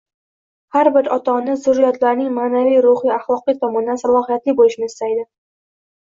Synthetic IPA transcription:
haɾbɪɾɒt̪ʰɒnɪzʊɾːɪjɒt̪ʰlaɾnɪŋmaːnavijɾʊhiaχlˠɒqijt̪ʰɒmɒnd̪ansalˠɒhijat̪lɪbolɪʃnɪɪst̪ajd̪ɪ

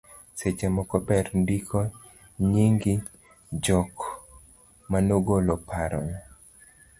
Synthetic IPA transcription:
set͡ʃemɔkɔpɛɾndikʰo | ɲiŋɡi | d͡ʒɔk | manoɡolɔpaɾɔ̰n

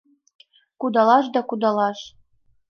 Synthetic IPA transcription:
kud̪ɑlˠɑʃd̪ɑkud̪ɑlɑʃ

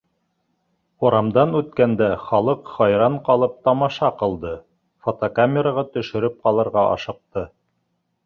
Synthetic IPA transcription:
oɾɑmd̪ɑnʉt̪kænd̪æχɑlˠɤqχɑjɾɑɴqɑlˠɤp̚t̪ɑmɑʃɑqɤ̆lˠd̪ɤ | fot̪okamʲeɾaʁɑt̪ɵ̆ʃɵ̆ɾɘp̚qɑlˠɤ̆ɾʁɑʔɑ̰ʃɤ̆q̚t̪ɤ

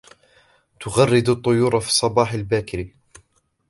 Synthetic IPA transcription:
t̪ʊɣarːɪd̪ʊt̪ˤːʊjuːɾˤɑfi̥ːsˤːɑbɑːħalbaːkɪɾi

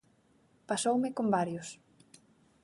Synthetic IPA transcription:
pasowmɪkombaɾjʊs

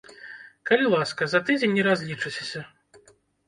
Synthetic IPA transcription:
kɐlʲilˠaskɐzɐt̪ɨd͡zʲenʲːɛɾazʲlʲit͡ʂɨt͡sʲesʲɐ

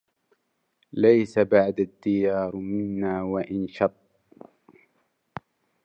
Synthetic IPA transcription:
lajsabaʕd̪ad̪ːɪjɑːɾˤmɪnːaːwaʔɪnʃɑt̪ˤː

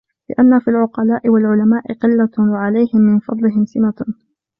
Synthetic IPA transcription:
lɪʔanːafilʕʊqɑlaːʔɪwalʕʊlamaːʔɪqɪlːawaʕalajhɪmːɪnfɑ̰d̪ˤlɪɦɪmsɪma

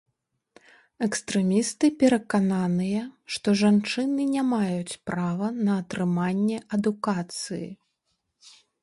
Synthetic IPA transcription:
ɛkst̪ɾɛmʲist̪ɨpʲɛɾɐkananɨjɐʂt̪ɔʐant͡ʂɨnɨnʲamajut͡sʲpɾavɐnɐːt̪ɾɨmanʲːɛʔɐd̪ukat̪sɨjḭ

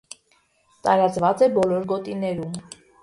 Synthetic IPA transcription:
t̪ɑɾɑt͡svɑt͡sɛbɔlɔɾɡɔt̪inɛɾum

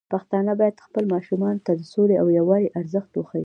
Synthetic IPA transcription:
paxt̪ɑnəbɑjad̪xpəlmɑʃumɑnot̪ad̪əsoleawjawɑɾeʔaɾzəxt̪oxai

